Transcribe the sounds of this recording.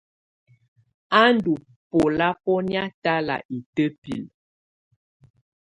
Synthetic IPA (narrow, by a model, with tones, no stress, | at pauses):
a˦n˦du˨ | po˨la˦pɔ˦nja˦ta˦la̰˨ʔi˨tə˦pḭ˨l